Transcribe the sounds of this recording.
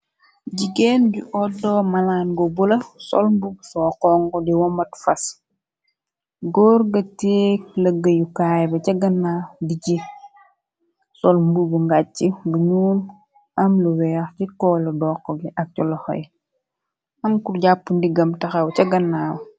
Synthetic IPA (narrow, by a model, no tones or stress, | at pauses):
ɟiɡɛnɟuʔɔdɔːmɐlaːnɡɔbulɐsɔ̰lmbubusɔːqɔŋɡɔdiwɔmɐtfɐs | ɡɔːɾɡɐteːk̚lɐɡːɐjukaːjbɐcɐɡɐnːaːdiɟi | sɔlmbubuŋɡat͡ʃiɡuɲuːn | ɐmluwɛːxcikɔːlɔdɔːqːɔɡiʔɐk̚cɔlɔxɔ̰j | ɐŋkurɟapːundiɡɐmtɐxɐwcɐɡɐnːaːw